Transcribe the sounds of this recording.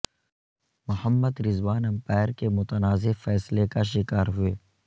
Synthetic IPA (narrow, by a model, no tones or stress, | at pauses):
mʊhəmːəd̪ɾɪzwaːnɐ̃mpɛːɾkemʊt̪ənaːzefɛːslekaʃɪkaːɾɦʊeː